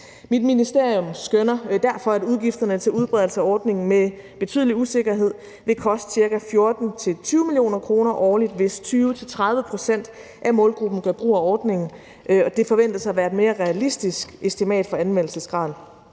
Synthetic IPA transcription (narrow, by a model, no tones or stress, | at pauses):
mid̥minisd̥e̝ɐ̰ijɔmsɡ̥ønɐd̥æɐfɒ̽æd̥uð̞ˠɡ̥ifd̥ɐnət͡sʰe̝luð̞ˠb̥ʁɛð̞ˠl̩səæɒːd̥ne̝ŋn̩me | b̥e̝t͡sʰy̰ðˠliuse̝ɡ̥ɐɦe̝ð̞̰ˠ | ʋe̝kʰɒ̽sd̥siɐkæfjo̝ɐd̥n̩t͡sʰe̝lt͡sʰyːʊəmilio̝̰ːnɐkʰʁo̝ːnɐʔɒːlid̥ʋe̝st͡sʰyːʋət͡sʰe̝lt͡sʰʁɑ̈ð̞ˠʋəpʰʁo̝sen̰d̥ | ʔæmɔ̽ːlɡ̥ʁub̥n̩kʰæb̥ʁṵːæɒːd̥ne̝ŋn̩ | ʔɒ̽d̥e̝fɒ̽ʋen̰d̥ɐsɑ̈ɪɐʋæɐe̝d̥me̝ːɐʁɛælisd̥isɡ̥esd̥imɛ̰ːd̥fɒ̽ænʋen̰l̩səsɡ̥ʁɑ̈ːð̰ˠ